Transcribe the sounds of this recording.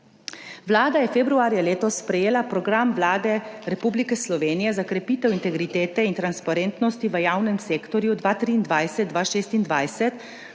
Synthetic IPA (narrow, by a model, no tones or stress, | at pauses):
ʋlaːd̪ajɛfebɾuaːɾjaleːt̪ɔsːpɾɛjeːlapɾɔɡɾamʋlaːd̪ɛɾɛpublikɛslɔʋeːnijɛzakɾɛpiːt̪ɛwint̪ɛɡɾit̪eːt̪ɛint̪ɾanspaɾeːnt̪nɔst̪iʋəjaːwnɛmseːkt̪ɔɾjud̪ʋaːt̪ɾiːnd̪ʋajsɛt̪̚d̪ʋaʃeːst̪ind̪ʋajsɛt̪